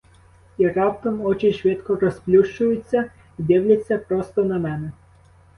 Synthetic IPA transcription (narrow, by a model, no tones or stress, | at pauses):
irɑpt̪ɔmɔt͡ʃɪʃʋɪt̪kɔɾɔsplʲuʃt͡ʃʊjʊt͡sʲːɐ | id̪ɪwlʲɐt͡sʲːɐpɾɔst̪ɔnɐmɛnɛ